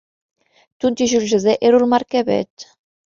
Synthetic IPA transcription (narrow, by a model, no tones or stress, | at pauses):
t̪unt̪iʒyrʒɘ̆zeʔeɾulmɑrkeβḛt̪